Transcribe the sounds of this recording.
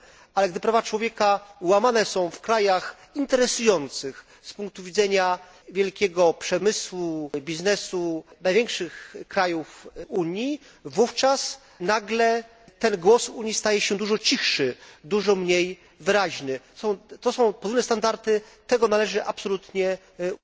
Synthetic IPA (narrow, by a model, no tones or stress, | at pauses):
alɛɡd̪ɘpɾavat͡ʂwɔvʲjɛkawamanɛsɔ̃w̃fkɾajax | int̪ɛɾɛsujɔnt̪sɘx | spuŋk̚t̪uvʲid̪zɛɲa | vʲjɛlkʲɛɡɔpʂɛmɘswubʲiznɛsunajvʲjɛŋkʂɘxkɾajufuɲji | vuft͡ʂas | naɡlɛ | t̪ɛnɡwɔsuɲist̪ajɛɕɛd̪uʐɔt͡ɕixʂɘd̪uʐɔmɲej | vɘɾaʑnɘ | sɔ̃w̃t̪ɔsɔ̃w̃pɔd̪vulnɛst̪and̪aɾt̪ɘ | t̪ɛɡɔnalɛʐɘʔapsɔlut̪ɲɛ